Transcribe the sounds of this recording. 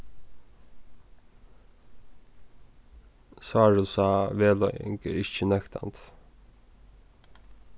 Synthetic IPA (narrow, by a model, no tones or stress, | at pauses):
sɑːɹʉsɑːʋeːlɔʏɪ̰ŋkə̰ɾɪçənœkt̪ʰɑ̰nt̪